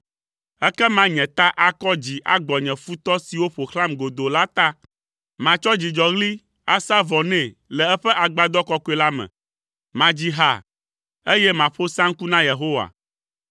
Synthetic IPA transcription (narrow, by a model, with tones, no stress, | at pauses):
ɛ˦kɛ˦mã˦ɲɛ̃˨t̪a˦ʔa˦kɔ˦d͡ʑi˨ʔa˦ɡ͡bɔ˨ɲɛ̃˨fu˦t̪ɔ˦si˨wo˦ɸo˨xla˦mɡo˨d̪o˨la˦t̪a˦ | mã˨t͡ʃɔ˦d͡ʑi˨d͡ʒɔ˨ɣli˦ | a˦sa˦vɔ˨nɛ̃˨ | lɛ˨ɛ˦ɸɛ˦ʔa˨ɡ͡ba˦d̪ɔ˦kɔ˦ko˦e˦la˦mɛ̰̃˨ | mã˨d͡ʑi˦ɦa̰˨ | e˦jɛ˦mã˨ɸo˦sã˦ŋ˦ku˦nã˦je˨ɦo˦wa̰˨